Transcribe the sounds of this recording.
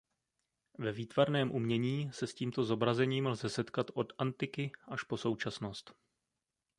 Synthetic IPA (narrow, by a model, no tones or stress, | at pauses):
vɛviːt̪vaɾnɛːmʔumɲɛɲiːsɛsciːmt̪o̞zo̞bɾazɛɲiːmlzɛsɛt̪kat̪ʔo̞d̪ʔant̪ɪkɪʔaʃpo̞so̞wt͡ʃasnost̪